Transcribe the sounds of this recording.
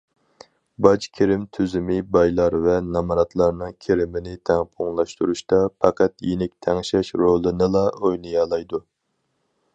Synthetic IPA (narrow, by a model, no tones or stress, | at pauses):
bɑt͡ʃkʲʰeɾɪmt̪ʰyzɪmɪbɑjlˠɑɾvɛnɑmɾɑt̪lˠɑɾnɨŋkʲʰeɾɪmɪnɪt̪ʰæŋpʰoŋlˠɑʃt̪uɾuʃt̪ɑpʰɑqæt̪jenɪk̚ʲt̪ʰɛŋʃɛʃɾolˠɨnɨlˠɑojlɨjɑlˠɑjd̪u